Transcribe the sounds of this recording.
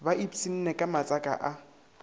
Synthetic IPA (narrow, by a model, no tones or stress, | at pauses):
baʔipʼsin̩nɛkʼamat͡sʼakʼa̰ʔa